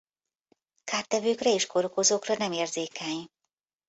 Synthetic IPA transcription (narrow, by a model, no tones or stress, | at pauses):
kaːrt̪ɛvøːkrɛeːʃkoɾokozoːkrɒnɛmeːrzeːkɛɲ